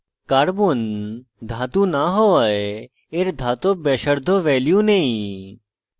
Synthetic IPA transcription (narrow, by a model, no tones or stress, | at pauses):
kaːɾbund̪ʱaːt̪ũnaɦoae | eɾd̪ʱaːt̪obeːʃəɾd̪ʱoʋɛːljũneĩ